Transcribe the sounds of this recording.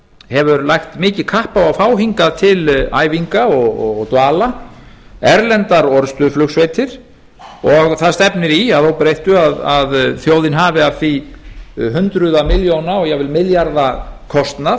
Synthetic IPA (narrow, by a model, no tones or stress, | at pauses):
hɛvʏɾlajxt̪mɪːcɪ̥kʰahpawafaːwɦiŋkat̪ʰɪla̰ːjviŋkaɔɣɔɣt̪vaːla | ɛɾlɛnt̪aɾɔɾst̪ʏflʏksvejt̪ʰɪɾ̥ | ɔɣθaðst̪ɛpnɪɾiaðowpɾejht̪ʏaðaðθjoːwðɪnɦaːvɪafi | ɦʏnt̪ɾʏðamɪljownaɔɣjɛvɪlmɪljaɾðakʰɔst̪na